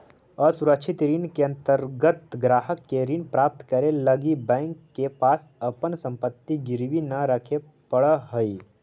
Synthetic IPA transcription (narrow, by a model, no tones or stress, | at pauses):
əsuɾəkʃʰɪt̪ɾinkeɐ̃nt̪əɾɡət̪ɡɾaːɦəkːeɾinpɾaːp̚t̪kəɾeləɡibɛ̃ŋkːepaːsəpənsə̃mpət̪ːiɡɪɾʋinəɾəkʰe | pəɽəɦəi